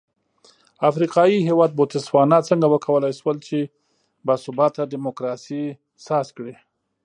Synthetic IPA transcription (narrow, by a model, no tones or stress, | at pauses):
afɾiqɑjiɦewɑd̪̚bot̪ɪswɑnat͡səŋɡawəkʰawəlajʃwəlt͡ʃe | basʊbɑt̪ːadɪmokɾɑsi | sɑskɽi